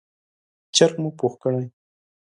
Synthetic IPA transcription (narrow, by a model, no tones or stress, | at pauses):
t͡ʃaɾkmupoxkəɽaj